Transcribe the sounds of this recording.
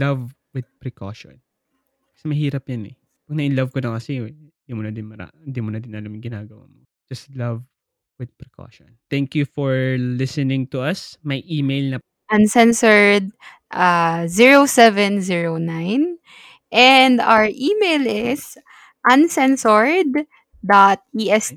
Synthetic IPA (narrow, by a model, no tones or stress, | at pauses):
lɐv | wɪd̪̚pɾɛkʰo̰ʃɔ̰n | kɐ̥sɛmɐɦiːɾɐpjɐnɛ̰ | pɐɡ̚nɐʔɪlɐvkonɐŋkɐsɛnd̪imonɐd̪ɪnmɐɾa̰ɪ̃nd̪imonɐd̪ɪnʔɐlamɪŋɡɪnaːɡɐwa̰mo | d͡ʒɐst̪lɐv | wɪd̪̚pɾɛkʰo̰ːʃɔ̰nt̪ɛŋkjufɔɹlɪsɛnɪ̃ŋt̪ʊʔɐsmɐjʔiːmejlnɐ | ʔɐnsɛnsɔɹd̪̚ | ʔaziɹosɛvɛnziɹonajn | ʔɛnd̪a̰wəɹʔiːmejlɪs | ʔɐnsɛnsɔɹd̪ | d̪at̪̚iʔɛs